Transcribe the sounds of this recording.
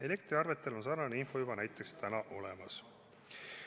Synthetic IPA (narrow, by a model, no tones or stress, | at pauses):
e̞le̞kt̪ɾiɑrve̞t̪ːˑe̞lo̞nsɑɾnɑneinfo̞jubɑnæjt̪ːˑekst̪ænɑʔo̞lemɑs